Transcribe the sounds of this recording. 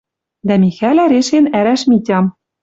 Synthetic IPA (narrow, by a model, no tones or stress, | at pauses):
d̪æmixælæɾeʃenæɾæʃmitʲɑm